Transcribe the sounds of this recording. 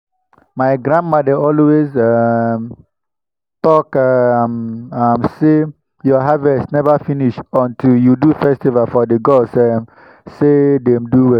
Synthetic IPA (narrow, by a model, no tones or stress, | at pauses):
maɪɡɾãndmadaɔlwezam | tɔkamamse | jɔɦavɛstnɛvafiniʃɔ̃ntʰiljudufɛstivalfɔdəɡosam | sedɛ̃mduwɛ